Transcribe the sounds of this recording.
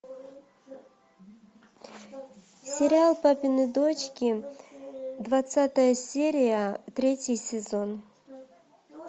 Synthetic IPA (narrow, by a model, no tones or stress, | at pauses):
sʲɪɾʲɪalˠpapʲɪnɨd̪ot͡ɕkʲɪ | d̪vɐt̪sat̪əjəsʲeɾʲɪjət̪ɾʲetʲɪjsʲɪzon